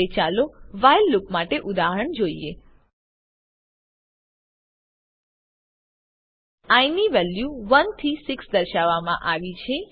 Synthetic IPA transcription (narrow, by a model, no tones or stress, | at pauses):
et͡ʃaloʋajlːupmaʈeʔud̪aɦəɳd͡ʒoie | ajniʋɛljuʋənt̪ʰisɪksd̪əɾʃaʋːamã̰ʔaʋit͡ʃʰe